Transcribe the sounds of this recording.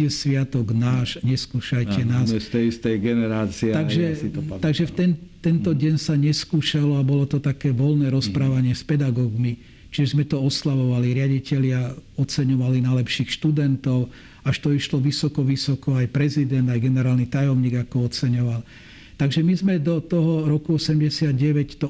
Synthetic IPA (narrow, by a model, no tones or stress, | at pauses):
ɛsʋɪat̪ɔɡnaːʃɲɛskuːʃajcɛnaːsɛst̪ɛst̪ɛjɡɛnɛɾaːt͡siɛt̪aɡʒɛt̪t̪aɡʒɛft̪ɛnt̪ɛnt̪ɔɟɛnsaɲɛskuːʃalɔabɔlɔt̪ɔt̪akɛːʋɔlnɛːɾɔspɾaːʋaɲɪɛspɛd̪aɡɔːɡmi | t͡ʃiʒzmɛt̪ɔɔslaʋɔʋaliɾɪaɟicɛʎɪaɔt͡sɛɲɔʋalinajlɛpʃiːxʃt̪ud̪ɛnt̪ɔʊ | aʃt̪ɔiʃlɔʋisɔkɔʋisɔkɔajpɾɛzid̪ɛnd̪ajɡɛnɛɾaːlnit̪ajɔmɲiːɡakɔɔt͡sɛɲɔʋal | t̪aɡʒɛmizmɛd̪ɔt̪ɔɦɔɾɔkuɔsɛmɟɛsɪad̪ɟɛʋɛct̪ɔ